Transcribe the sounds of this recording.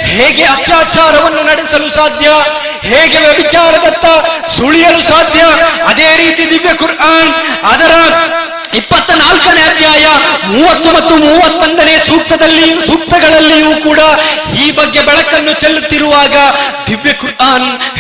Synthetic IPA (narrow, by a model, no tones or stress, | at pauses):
heːɡeɐt̪jaːt͡ʃaːɾɐʋɐnːunɐɽɛsɐlusaːd̪ʱjɐ | heːɡe̞ʋjɐbit͡ʃaːɾɐd̪ɐnt̪ɐsuɭijɐlusaːd̪ʱjɐɐd̪eːɾiːt̪id̪iʋjɐkuɾʔaːnɐd̪ɐɾɐ | ipːɐt̪ːɐnaːlkɐneɐd̪ʱjaːjɐmuːʋɐt̪ːumɐt̪ːumuːʋɐt̪ːɐnd̪ɐneːsuːk̚t̪ɐd̪ɐlːisuːk̚t̪ɐɡɐɭɐlːijuːkuːɽɐ | iːbɐɡːe̞bɛɭɐkɐnːut͡ʃelːut̪ːiɾuʋaːɡɐd̪iʋjɐkuɾaːn